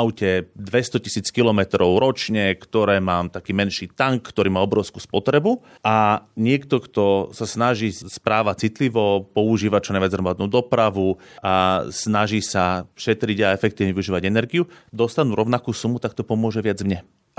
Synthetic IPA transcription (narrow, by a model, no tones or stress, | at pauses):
aʊcɛd̪ʋɛst̪ɔcisiːt͡skilɔmɛt̪ɾɔʊɾɔt͡ʃɲɛkt̪ɔɾɛːmaːmt̪akiːmɛnʃiːt̪aŋkːt̪ɔɾiːmaːɔbɾɔʊskuːspɔt̪ɾɛbu | ʔaɲɪɛkt̪ɔkt̪ɔsasnaʒiːspɾaːʋat͡sit̪liʋɔpɔuʒiːʋat͡ʃɔnajʋad͡zɦɾɔmad̪nuːd̪ɔpɾaʋuasnaʒiːsafʃɛt̪ɾiɟaɛfɛk̚t̪iːʊɲɛʋiuʒiːʋaɟɛnɛɾɡiud̪ɔst̪anuːɾɔʊnakuːsumut̪ak̚t̪ɔpɔmʊɔʒɛʋɪad͡zmɲɛ